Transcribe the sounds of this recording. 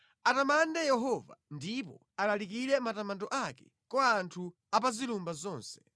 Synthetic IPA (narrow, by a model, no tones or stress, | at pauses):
atamandɛjɛɦɔva̰ndipɔ | alalik̬iɾɛmatamantɔʔakɛ̥ | kwaːntʰu | ap̬azilumbazɔːnsɛ̥